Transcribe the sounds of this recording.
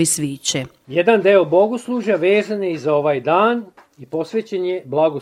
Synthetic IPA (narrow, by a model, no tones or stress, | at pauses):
isʋiːt͡ɕe | jed̪and̪eobo̞ɡoslˠuːʒjaʋe̞ːzanjeizao̞ʋaːjd̪aːn | ipo̞sʋeːt͡ɕenjeblˠaɡo